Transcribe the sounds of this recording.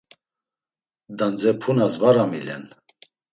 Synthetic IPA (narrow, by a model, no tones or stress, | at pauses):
d̪and͡zɛpʰunazvaɾamilɛ̰n